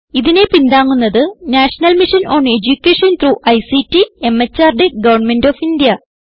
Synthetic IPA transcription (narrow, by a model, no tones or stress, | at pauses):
iðine̞pind̪aːŋːunːɐðɨnaːʂɐnɐlmiʂɐno̞ːɳed͡ʑukʲːeːʂɐnt̪ɾuːʔɐjsitːie̞met͡ɕːaːrɖeɡɐʋɐrɳme̞ndoːfind̪ijɐ